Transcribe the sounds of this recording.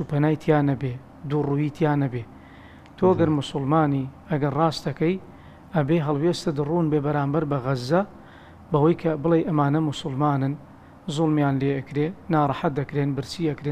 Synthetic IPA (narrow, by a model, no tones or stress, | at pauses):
t͡ʃuːpɐnaːjt̪ʰjaːnɐbe | d̪urujiːt̪ʰjaːnɐbeː | t̪ʰoɐɡɐɾmʊsʊlmaːniː | ɐɡɐɾrɑːst̪ɐkɐj | ɐbeːɦɐlˠweːst̪ɐd̪ɨruːnbebɐɾaːmbɐɾbɐɣɐzːɐ | bɐwɐjkʰɐbɨlejʔɐmaːnɐmʊsʊlˠmaːnɨn | zʊlˠmjaːnleːɐkɾenaːrˤɑħat̪̚d̪ɐkɾeːnbɨɾt͡siːɐkɾeː